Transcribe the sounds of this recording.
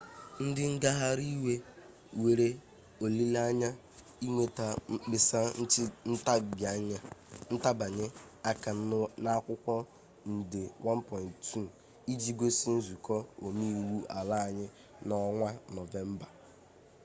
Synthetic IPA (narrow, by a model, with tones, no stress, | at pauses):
n̩˦dɪ˦ŋ̩˦ɡa˦ɦa˦ɾi˦we˦ | we˨ɾe˦ | o˨li˦la˦ɲa˦ | i˦ŋʷe˨ta˨˦k͡pɪ˨sa˦n̩˦t͡ʃɪ˦n̩˦ta˦bja˨ɲa˦n̩˦ta˦ba˨ɲɪ˦ | a˦ka˨na˦kʷʊ˦kʷɔ˦ | n̩˨dɪ˨wʔa˦n˦pɔ˨ɪ˨nttʰu˦˨ | i˦d͡ʒi˦ɡʷe˦si˦n̩˦zu˨kɔ˦o˨mi˦˨wu˦a˨la˦a˨ɲɪ˦ | nɔ˦ŋʷa˦nɔ˨ve˦m̩˦ba˨